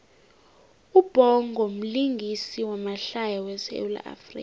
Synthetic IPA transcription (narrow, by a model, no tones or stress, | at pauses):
ub̥ʱɔŋʱɔm̩liŋɡʱisiwamaɬajawɛsḛula̰ʔa̰frḭːk